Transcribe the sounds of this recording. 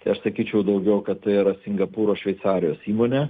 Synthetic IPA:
t̪ɐɪɐʃsɐkʲiːt͡ʃʲɛʊd̪ɐʊɡʲɛʊkɐt̪t̪ɐɪɪɾɐsʲɪŋɡɐpuːɾoːʃʲʋʲɛɪsɑːɾʲɪjoːsiːmoːnʲe

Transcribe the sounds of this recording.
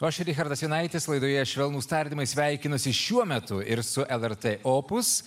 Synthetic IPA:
oːʃʲɪɾʲɪxʲɐɾd̪ɐsjʲɪnɐɪt̪ʲɪslˠɐɪd̪oːjɛʃʲʋʲɛlˠnuːst̪ɐɾʲd̪ʲimɐɪsʲʋʲæɪkʲɪnʊsʲɪʃʲuɔmʲɛt̪ʊɪɾsʊʔɛlˠɛɾt̪eʔoːpʊs

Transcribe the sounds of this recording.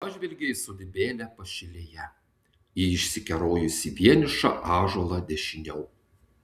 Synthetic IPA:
pɑʒʲʋʲɪlʲɡʲɛɪsʊd̪ʲɪbʲeːlʲɛpɐʃʲɪlʲejɛ | iɪʃʲsʲɪkʲɛɾoːjʊsʲɪʋʲiɛnʲɪʃɐ̰ʔɑːʒuɔlˠɐd̪ʲɛʃʲɪnʲɛʊ

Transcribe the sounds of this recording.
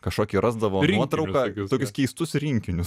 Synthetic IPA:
kɐʃkoːkʲiɾɑːzd̪ɐʋoːnuɔt̪ɾɐʊkɐt̪oːkʲʊskʲɛɪst̪ʊsɾʲiŋʲkʲɪnʲʊs

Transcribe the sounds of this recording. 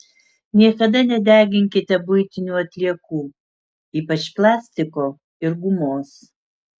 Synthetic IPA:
nʲiɛkɐd̪ɐnʲɛd̪ʲæːɡʲɪŋʲkʲɪt̪ʲɛbʊɪt̪ʲɪnʲuːɐt̪ʲlʲiɛkuː | iːpɐt͡ʃplˠɑːsʲt̪ʲɪkoː | ɪɾɡʊmoːs

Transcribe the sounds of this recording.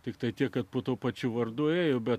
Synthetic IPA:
t̪ʲɪkt̪ɐɪt̪ʲiɛkkɐt̪̚poːt̪uɔpɐt͡ʃʲʊʋɐrd̪ueːjoːbʲɛ

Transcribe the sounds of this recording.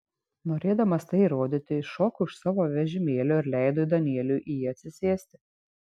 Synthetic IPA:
noːɾʲeːd̪ɐmɐst̪ɐɪiɾoːd̪ʲɪt̪ʲɪʃɔːkʊʃsɑːʋoːʋʲɛʒʲɪmʲeːlʲoːɪɾlʲæˑɪd̪oːd̪ɐnʲiɛlʲuːʔijiɐt̪ʲsʲɪsʲeːsʲt̪ʲɪ

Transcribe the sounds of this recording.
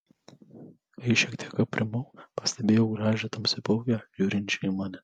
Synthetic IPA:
ɐɪʃʲɛkt̪ʲiɛkɐpʲːɾʲɪmɐʊpɐsʲt̪ʲɛbʲeːjɛʊɡɾɑːʒʲɛt̪ɐmsʲɪpɔʊkʲɛʒʲuːɾʲɪnʲt͡ʃʲʊimɑːnʲɛ

